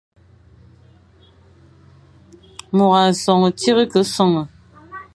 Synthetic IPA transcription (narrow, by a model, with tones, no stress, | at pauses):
mo˨ɣa˨sɔ˨ŋə˨ti˦ɣə˦kə˦sɔ˦˨ŋə˨